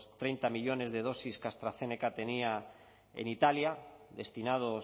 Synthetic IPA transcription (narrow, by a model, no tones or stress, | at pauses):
st̪ɾejnt̪amiʎone̞zðeð̞o̞siskast̪ɾaθenekat̪e̞nia | ḛnit̪aljaðest̪inað̞o